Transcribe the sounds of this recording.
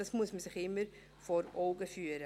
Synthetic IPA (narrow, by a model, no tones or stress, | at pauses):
ɐsmusməsɪχɪməɾ | fɔɾɔːɡəfyəɾə